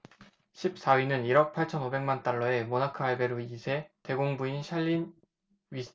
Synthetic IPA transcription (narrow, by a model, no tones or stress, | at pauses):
ɕʰip̚s͈awinɯniɾʌk̚pʰaɭt͡ɕʰʌnobe̞ŋmant͈aɭːʌe̞monakʰɯaɭbe̞ɾuisʰe̞te̞ɡoŋbuinɕʰaʎːin | ɥi